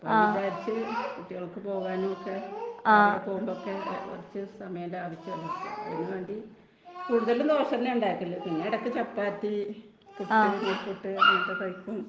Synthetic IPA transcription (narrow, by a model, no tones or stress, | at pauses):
poːʋit͡ɕaːɾit͡ɕːɨkuʈːiɣɐɭkːɨpo̞ːɣaːnumokːe̞ | ɽepoːɣumbokːeo̰rit͡ɕːɨsɐmɐjɐndeaːʋɐt͡ɕːɨɐlːtːṵenːuʋeːɳɖi | kuːɽuðɐlːund̪oːrʂɐnːeuɳɖaːjikʲːɐlːoːpinːeiɽɐkːɨt͡ɕɐpːaːt̪ːi | kuʈinepuʈːɨɐʈːet̪ɐjkːum